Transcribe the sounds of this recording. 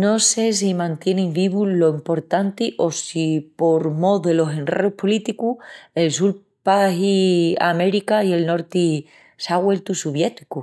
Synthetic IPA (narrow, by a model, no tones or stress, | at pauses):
no̞se̞s̬imãnt̪je̞nĩŋbiβulo̞impo̞ɾt̪ant̪iʔo̞sipo̞ɾmo̞ðe̞lo̞se̞nreupʰolit̪ikue̞ls̬ul | paɦiame̞ɾikaie̞lno̞ɾt̪i | saɣwe̞lt̪usuβje̞t̪i̥ku